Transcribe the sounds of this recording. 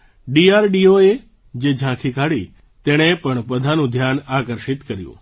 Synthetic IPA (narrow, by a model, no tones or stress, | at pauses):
ɖiaːɾɖioe | d͡ʒed͡ʒʱãkʰikaɽi | t̪eɽ̃epəɳpəd̪ʱanũd̪ʱjaːnaːkəɾʃɪt̪kəɾjṵ̃